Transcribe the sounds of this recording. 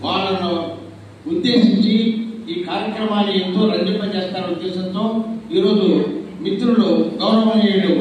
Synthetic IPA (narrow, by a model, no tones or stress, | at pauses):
ʋaːɭːɐnu | ud̪ːe̞ːʃiɲt͡ʃiiːkaːɾjɐkɾɐmaːlɐjɐnt̪o̞ːɾɐnd͡ʒimpɐt͡ʃeːst̪aːɾɐud̪ːeːʃɐnt̪o̞ːiːɾo̞ːd͡ʒumit̪ɾuɭoːɡʱɐwnɐʋɐeːjɐɽu